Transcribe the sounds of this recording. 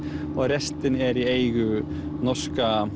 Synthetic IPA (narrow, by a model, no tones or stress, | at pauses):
ɔɣɾɛst̪ɪnɛɾiejɣʏ | nɔrska